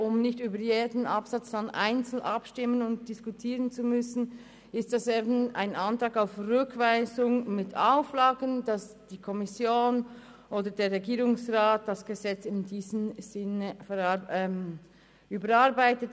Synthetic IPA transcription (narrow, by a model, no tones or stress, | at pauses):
ʔʊmnɪçtyːbəɾjeːdən̩ʔɑpsɑt͡sdanʔa̰ɪnt͡sl̩ʔɑpʃtɪmənʊnt̚d̥ɪskutʰiːʁənt͡sumʏsn̩ | ɪst̚d̥ɑseːbn̩a̰ɪnʔɑntʁɑːɡaʊfʁʏkv̥aɪzʊŋmɪtʰaʊflaːɡənd̥ɑsd̥iːkʰɔmɪsjoːn | ʔoːdədeːɐʁːɛɡiːʁʊŋsʁaːt̚d̥ɑsɡ̥əzɛt͡sɪmdiːzəm̩z̥ɪnəfɛm | ʔyːbəɾɑʁbaɪtət